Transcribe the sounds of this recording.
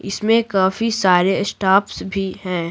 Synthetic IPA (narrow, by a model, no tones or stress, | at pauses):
ɪsmẽkaːfisaːɾesʈaːpsbʱiɦɛ̃ː